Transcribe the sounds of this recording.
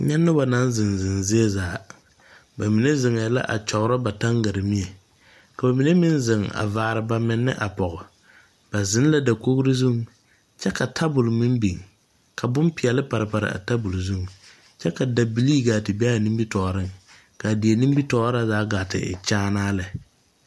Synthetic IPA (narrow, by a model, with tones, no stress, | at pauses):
ɲɛ˦nːʊ˦ba˨na˦n˦zɪ˨nzɪ˨nzɪ˦ɛ˦zaː˨˦ | ba˨mi˨ne˦zɪ˨ŋɛ˨˦la̰˦ʔa̰˨t͡ʃɔ˨ɣʊ˦ɾa˦ba˨ta˦ŋɡa˨ɾɪ˨mɪ˦ɛ˨ | ka˨ba˨mi˨ne˦mɪ˦nzɪ˨ŋa̰˨vaː˨ɾɪ˨ba˨mɪ˨nːɪ̰˦ʔa˨pɔ˨ɣʊ˨ | b̥a˨zɪ˨˦n˦la˦da˨ko˦ɣɾɪ˦zu˦˨ŋ | t͡ʃɛ˦ka˨tʰa˦bʊ˨lmɪ˦mbi˨ŋ | ka˨bʊ˦npɪ˨ɛ˨lɪ˦pa˨ɾɪ˨pa˨ɾɪ̰˨a̰˨ta˦bʊ˨lzu˦ŋ | t͡ʃɛ˦ka˨da˨bi˨liː˦ɡa˨tɪ˨bɛ˦a˦˨ni˦mbi˦tɔː˨ɾɪ˦˨ŋ | ka˨dɪ˨ɛ˨ni˦m˦bi˦tɔː˦ɾa˦zaː˦ɡaː˨tɪ̰˨ɪ̰˨t͡ʃaː˦naː˦lɪ˨